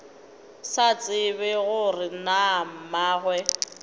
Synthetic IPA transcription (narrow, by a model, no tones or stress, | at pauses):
sat͡sʼɪβɪɣʊrɪnam̩maːɣwɛ